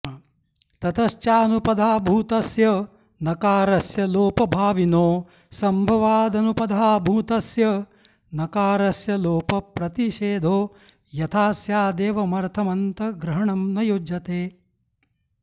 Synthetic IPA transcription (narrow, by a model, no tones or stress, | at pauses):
t̪ɐt̪ɐʃt͡ʃaːnupɐd̪ʱaːbʱuːt̪ɐsjɐ | nɐkaːɾɐsjɐloːpɐbʱaːʋinoː | sɐmbʱɐʋaːd̪ɐnupɐd̪ʱaːbʱuːt̪ɐsjɐ | nɐkaːɾɐsjɐloːpɐpɾɐt̪iʃeːd̪ʱoː | jɐt̪ʰaːsjaːd̪eːʋɐmɐɾt̪ʰɐmɐnt̪ɐɡɾɐɦɐɳɐmnɐjod͡ʒɐt̪eː